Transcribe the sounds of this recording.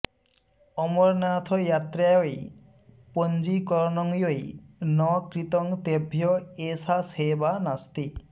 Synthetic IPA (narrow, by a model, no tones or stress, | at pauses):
ɔmɔɾnat̪ʰɔjat̪ɾajoj | pond͡ʒikɔɾɔnɔŋjojnɔkɾit̪ɔŋt̪ebʱjɔesasebanast̪i